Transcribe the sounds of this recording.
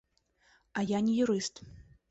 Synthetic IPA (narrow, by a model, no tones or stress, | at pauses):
ɐjanʲɛjuɾɨst̪